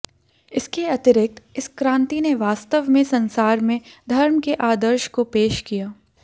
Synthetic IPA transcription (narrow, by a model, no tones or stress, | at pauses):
ɪskeɐt̪ɪɾɪk̚t̪ɪskɾãːnt̪ineʋaːst̪əʋmẽsɐ̃nsaːɾmẽd̪ʱɐɾmkeʔaːd̪əɾʃkopeːʃkijaː